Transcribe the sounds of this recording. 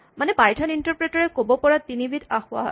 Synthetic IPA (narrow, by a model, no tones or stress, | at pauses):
manɛpajtʰɔnintɔɹpɹetɔɹɛkobɔpɔɹatinibitaxʊa̰ɦɔ̰